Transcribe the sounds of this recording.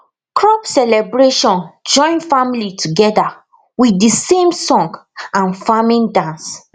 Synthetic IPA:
kɹɔpsɛlɛbɹeʃɔ̃nd͡ʒɔ̃ɪ̃nfamilitʰuɡɛda | wiisẽmsɔ̃ŋɡãnfamĩndãns

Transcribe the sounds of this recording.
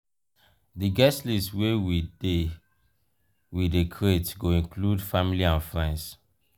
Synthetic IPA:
diɡɛstliswewide | widekʰɹetɡoĩŋkʰludfamiliãnfɹɛ̃nds

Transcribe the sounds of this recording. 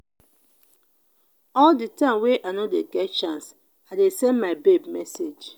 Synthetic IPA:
ɔlditãmweʔanodeɡɛt̚t͡ʃãns | adesɛ̃nmaɪbebmɛsed͡ʒ

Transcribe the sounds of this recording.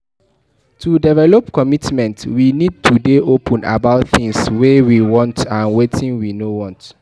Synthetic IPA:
tʰudɛvɛlɔpkɔmitmɛ̃ntwinid̚tʰudeʔopʰə̃na̰baʊtθɪ̃ŋswewiwɔ̃ntãnwetʰĩnwinowɔ̃nt

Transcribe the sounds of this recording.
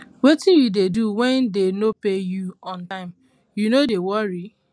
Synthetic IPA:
wotijudeduwɛ̃ndenopejuɔ̃ntãɪ̃m | junodewɔɹi

